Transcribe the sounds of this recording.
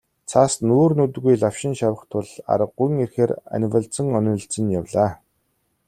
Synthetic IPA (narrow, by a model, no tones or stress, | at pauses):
t͡sʰaːsnuːrnut̪ɣujɮaw̥ʃɪ̆nʃawə̆χt̪ʰʊɮa̰ɾə̆qːujŋerxeːɾa̰nʲwə̆ɮt͡sə̆ŋœnʲɵ̆ɮt͡sɘ̆njawɮaː